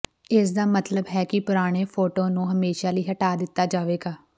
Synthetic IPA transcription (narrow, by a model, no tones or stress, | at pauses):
ɪsd̪aːmət̪ləbɦɛːkɪpʊɾaːɽ̃eːpʰoːʈõːnũːɦəmeːʃaːləiːɦəʈaːd̪ɪt̪ːaːd͡ʒaːʋeːɡaː